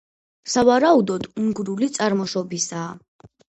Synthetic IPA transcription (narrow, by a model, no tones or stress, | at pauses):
savaɾaud̪ɔd̪uŋɡɾulit̪sʼaɾmɔʃɔbisaː